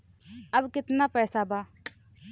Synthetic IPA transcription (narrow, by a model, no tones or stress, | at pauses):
ɐbkɪt̪napɛːsabaː